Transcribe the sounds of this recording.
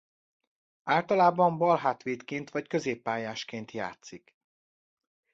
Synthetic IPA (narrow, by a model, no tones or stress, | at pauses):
aːlt̪ɒlaːbɒmbɒlɦaːt̪ʋeːt̪keːnt̪ʋɒckøzeːpːaːjaːʃkeːnt̪ja̰ːt̪sik